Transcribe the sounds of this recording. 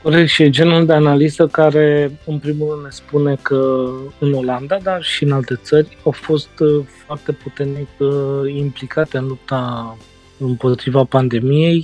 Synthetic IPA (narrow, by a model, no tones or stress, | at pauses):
koɾeʃid͡ʒe̞nuld̪e̞analizəkaɾe̞ɨnpɾimulrɾɨnd̪ne̞spune̞kəɨno̞land̪ad̪arʃiɨnalt̪e̞t̪sərʲawfo̞st̪foart̪e̞put̪ernikimplikat̪e̞ɨnlup̚t̪a | ɨmpo̞t̪ɾivapand̪e̞mije̞j